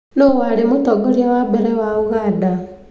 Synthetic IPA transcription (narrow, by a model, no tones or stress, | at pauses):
nowaɾemotɔɡɔɾiawabɛɾɛwaoɣada